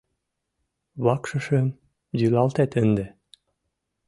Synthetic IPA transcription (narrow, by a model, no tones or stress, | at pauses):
βɑkʃɤ̆ʃĕm | zylɑlt̪æt̪ɘ̆nd̪ĕ